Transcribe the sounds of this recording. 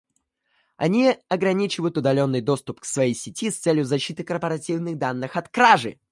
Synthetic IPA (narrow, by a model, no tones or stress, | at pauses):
ɐ̰nʲiɐɡɾɐnʲit͡ɕɪvəjʊt̪ʊd̪ɐlʲo̞nːɨjd̪o̞st̪ʊpksvɐjejsʲɪtʲist̪sɛlʲjʊzɐɕːit̪ɨkərpəɾɐtʲivnɨɣd̪anːɨxɐt̪kɾaʐɨ